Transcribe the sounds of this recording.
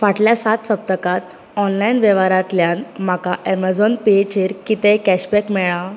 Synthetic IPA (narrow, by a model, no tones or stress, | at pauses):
ʋaʈljasat̪səp̚t̪əkat̪ | ɔnlainʋjɛʋaɾat̪ljãnm̤akaʔɛməd͡zɔnpet͡ɕeɾkit̪ɛ̃kɛɕbɛkmɛɭa